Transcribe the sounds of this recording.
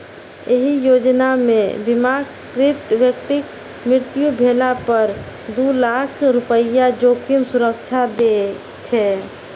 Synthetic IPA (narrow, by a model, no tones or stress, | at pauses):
eɦijoːd͡ʒnamḛ̃bɪmak | kɾɪt̪ʋjəkt̪ɪk | mɾɪɾt̪jubʱeːlapəɾ | d̪ulaːkʰɾʊpəijad͡ʒoːkʰimsʊɾəkt͡ʃʰad̪e | t͡ʃʰɛː